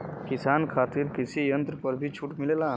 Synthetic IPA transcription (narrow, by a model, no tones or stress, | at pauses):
kɪsaːnkʰaːt̪ɪɾkɪsijɐ̃nt̪ɾəpɐɾbʱit͡ʃʰuʈmɪleːlaː